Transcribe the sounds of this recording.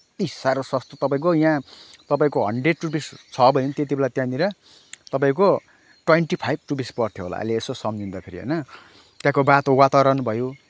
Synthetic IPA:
isaɾoswʌst̪ot̪ʌpaĩkojãt̪ʌpaĩkoɦʌɳɖreɖ̚ʈubist͡sʰʌbʱʌnjont̪et̪ibelat̪jãniɾʌ | t̪ʌp̬aĩko | ʈweɳʈipʰajb̚ʈupispʌrt̪ʰjoɦo̰la̰ʔjleːsosʌmd͡zind̪ʌpʰeɾiɦʌ̰jnʌ | t̪jãkobat̪owat̪aɾʌnbʱʌjo

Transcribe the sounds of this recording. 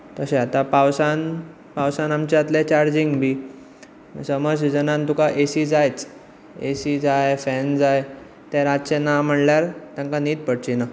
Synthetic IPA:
t̪əɕẽat̪apawsan | pawsanamt͡ɕeat̪lɛt͡ɕaɾd͡ʑiŋɡbiː | msəməɾsid͡zənãnt̪ukaʔesid͡zajt͡s | ḛsid͡zajfɛnd͡zaj | t̪ɛ̃ɾat͡ɕenam̤əɳljaɾt̪jãŋkaniːt̪̚pəɽt͡ɕina

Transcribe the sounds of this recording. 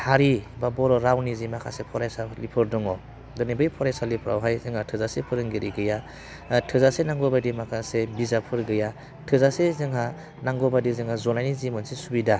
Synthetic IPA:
haɾibabɔɾɔɾawnizimakʰa̰sepʰɔɾajsalipʰɯɾdɔŋɔ | dɔnibɯjpʰɔɾajsalipʰɾa̰wɦajzɯŋhatʰɯzasepʰɯɾɯŋɡeɾiɡɯja | tʰɯzasenaŋɡɔbajdimakʰasebizapʰɯɾɡɯja | tʰɯzasezɯŋɦa | naŋɡɔbadizɯŋhazɔnajnizimɔnsisubida

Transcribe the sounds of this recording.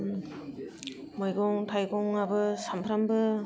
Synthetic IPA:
mɔjɡɔŋtʰajɡɔŋabɯsampʰɾambɯ

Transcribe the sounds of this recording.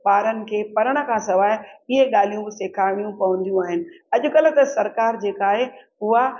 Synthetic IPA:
baːɾənɪ̆kʰeːpɐɾəɽ̃ə̆kʰãːsɐʋaːɪɪɦeɠaːl̤ijũseːkʰaːɪɽ̃ijũpɐʋə̃nd̪ijũaːɦɪnɪ̆ | ɐʄʊ̆kɐlʊ̆t̪ɐsɐɾkaːɾd͡ʑeːkaːɦeɦʊa

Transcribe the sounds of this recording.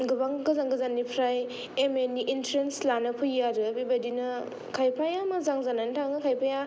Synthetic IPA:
ɡɯbaŋɡɯzaŋɡɯzanːipʰɾaj | emeniʔintʰɾenslanɯpʰɯjːaɾɯbibajdinɯ | kʰajpʰajamazaŋzanantʰaŋɯkʰajpʰaja

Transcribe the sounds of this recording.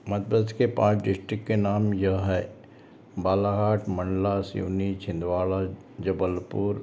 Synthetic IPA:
mɐt̪̚bəskepãːt͡ʃɖɪsʈɾɪkːenaːmjɐɦɦɛː | baːlaɦaːʈmɐ̃ɳɖlasḭːnit͡ʃʰɪ̃nd̪ʋaːɭa | d͡ʒɐbəlpuːɾ

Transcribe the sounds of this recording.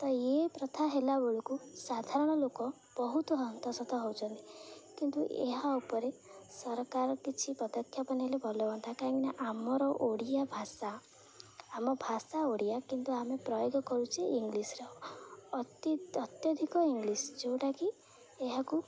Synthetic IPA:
t̪ɔepɾɔt̪ʰaɦelaboɭukusad̪ʱaɾɔɽ̃ɔlokɔ | b̥ɔɦut̪ɔɦɔnt̪ɔsɔt̪ɔɦowt͡ʃʰɔnt̪ikint̪uʔḛɦaupɔɾesɔɾɔkaɾɔkit͡ʃʰipɔd̪ɔkʰːjapanielebʱɔlɔbɔnt̪ʰakaɾɔ̃ŋkinaʔamɔɾɔʔoɽijabʱasaː | mɔbʱasaoɽijakint̪uamepɾɔjoɡɔkɔɾut͡ʃʰiʔiŋɡlisɾɔ | ɔt̪jɔd̪ʱikɔiŋɡlisd͡ʒowʈaki | eɦaku

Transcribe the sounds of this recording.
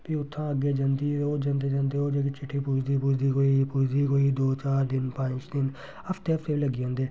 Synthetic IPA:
piːʊt̪ʰːãːəɡeːd͡ʒãːnd̪iːɾoːd͡ʒãːnd̪eːd͡ʒãːnd̪eːoːd͡ʒeːkit͡ʃʰɪʈʰːiːpuːd͡ʒd̪iːpuːd͡ʒd̪iːkoːipuːd͡ʒd̪iːkoːiːd̪oːt͡ʃaːɾd̪ɪnpãːt͡ʃd̪ɪn | əpʰt̪eːəpʰt̪eːʋiləɡiːõːnd̪eː

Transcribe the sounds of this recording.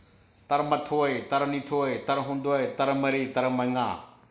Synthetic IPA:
t̪ɐɾmɐt̪ʰoːet̪ɐɾnit̪ʰoːet̪ɐɾɦũːn̆d̪oːet̪ɐɾmɐɾiːt̪ɐɾmɐ̃ŋɡãː

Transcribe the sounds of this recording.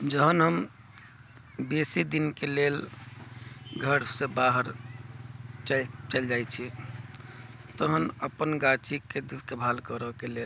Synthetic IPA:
d͡ʒəɦənɦəm | besid̪inkelel | ɡʱəɾsẽbaɦəɾ | t͡ʃt͡ʃəld͡ʒajt͡ʃʰi | t̪əɦənəpənɡat͡ʃikːed̪ikebʱalkəɾəkelel

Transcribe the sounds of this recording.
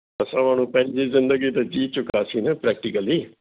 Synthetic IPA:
əsãʋaːnũːpɛ̃nd͡ʒiːzɪ̃nd̪əɡiːt̪ed͡ʒiːt͡ʃʊkaːsiːnɛpɾɛːk̚ʈɪkəliː

